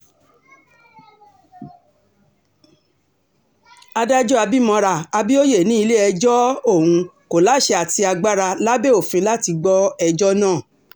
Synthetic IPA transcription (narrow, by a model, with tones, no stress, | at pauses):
a˧da˦d͡ʒɔ˦a˧bi˦mɔ̃˧ɾa˧˨a˧bi˦o˦je˦˨nĩ˨˦i˧le˦ɛ˧d͡ʒɔ˦o˦˨ũ˧ko˨la˨˦ʃe˧a˨ti˧a˧ɡ͡ba˦ɾa˧la˦be˦o˦˨fĩ˧˦la˦ti˧ɡ͡bɔ˦ɛ˧d͡ʒɔ˦nãː˦˨